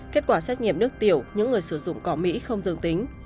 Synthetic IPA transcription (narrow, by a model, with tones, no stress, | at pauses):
keː˦˥t̚kwaː˧˩sɛ˦˥t̚ɲḭ˧˨əmnɨ˦˥ək̚t̪i˧˩əwɲɨ̰˧˥ŋːɨ˨˩əjsɨ˧˩zʊ̰˧˨ŋ͡mkɔ˨˦mḭ˧˥xə˧wŋ͡mzɨ̰˧ŋt̪ï˨˦ŋ̟